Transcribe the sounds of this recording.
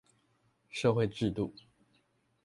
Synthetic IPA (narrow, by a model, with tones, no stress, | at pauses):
ʂɤ˥˧xwe˥˧ɪʈ͡ʂɻ̩˥˧t̪u˥˩